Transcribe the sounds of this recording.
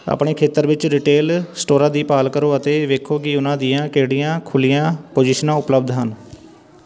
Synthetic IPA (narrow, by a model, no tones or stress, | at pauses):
a̰ːpɳeːkʰeːt̪əɾʋɪt͡ʃɾɪːʈeːlsʈoːɾãːd̪iːpaːlkəɾoːət̪eːʋeːkʰoːkɪʊnãːd̪ijãːkeːɽijãːkʰʊlijãːpoːd͡ʒiʃnãːʊpləbd̪ɦən